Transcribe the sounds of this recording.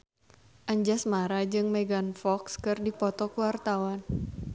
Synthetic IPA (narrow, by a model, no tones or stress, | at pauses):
ʔaɲd͡ʒasmaɾad͡ʒɨŋmɛɡanfɔkskɨrdipɔt̪ɔkuwart̪awan